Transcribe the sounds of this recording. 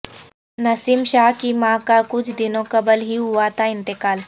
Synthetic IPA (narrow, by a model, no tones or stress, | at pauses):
nɐsiːmʃaːɦkimãkakʊt͡ʃʰd̪ɪnõkɐbəlɦiɦʊat̪ʰaɪ̃nt̪ɪkaːl